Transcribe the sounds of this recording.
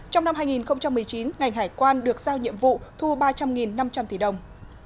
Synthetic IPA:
t͡ɕɔ˧wŋ͡mna˧mɦaː˧jŋi˨˩nxə˧wŋ͡mt͡ɕa˧mːɨ˨˩əjt͡ɕi˨˦nŋa˨˩jŋ̟ɦaː˧˩jkwaː˧nɗɨ˨˩ək̚zaː˧wɲḭ˧˨əmvṵ˧˨t̪ʰu˧ɓaː˧t͡ɕa˧mŋi˨˩nːa˧mt͡ɕa˧mt̪i˧˩ɗə˨˩wŋ͡m

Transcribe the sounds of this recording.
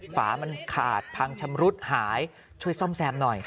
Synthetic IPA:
faː˩˦ma˧nkʰaː˨˩t̪̚pʰa˧ŋt͡ɕʰa˧mɾu˦˥t̪̚haː˩˦j | t͡ɕʰu˥˩əjsɔ˥˩msɛː˧mnɔ˨˩j

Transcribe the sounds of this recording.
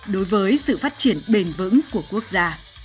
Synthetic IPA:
ɗo˨˦jvəː˨˦jsɨ̰˧˨faː˦˥t̚t͡ɕi˧˩ənɓe˧nvɨ̰˧˥ŋku˧˩əku˦˥ək̚zaː˧

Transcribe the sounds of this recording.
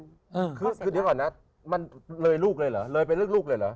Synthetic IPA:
kʰɯː˧kʰɯː˧ɗi˧əwkɔ˨˩na˦˥ | ma˧nlɤː˧jluː˥˩k̚lɤː˧jlɤː˩˦lɤː˧jpa˧nlɯː˥˩əkluː˥˩k̚lɤː˧jla̰˩˦

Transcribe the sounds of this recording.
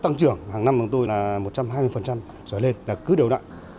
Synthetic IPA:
t̪a˧ŋt͡ɕɨ˨˧˩əŋhaː˨˩ŋna˧mɓɨ˨˩ŋt̪o˧jlaː˨˩mo˨˩t̚t͡ɕa˧mɦaː˧jmɨ˧əjfə˨˩nt͡ɕa˧m | zɔ˧˩jle˧nlaː˨˩kɨ˨˦ɗi˨˩əwɗa̰ː˧˨

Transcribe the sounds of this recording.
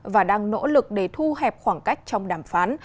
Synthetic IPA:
vaː˨˩ɗaː˧ŋno̰˧˥lɨ˨˩k̚ɗe˧˩t̪ʰu˧ɦɛ˨˩p̚xwaː˧˩ŋka˦˥jk̟̚t͡ɕɔ˧wŋ͡mɗaː˧˩mfaː˨˦n

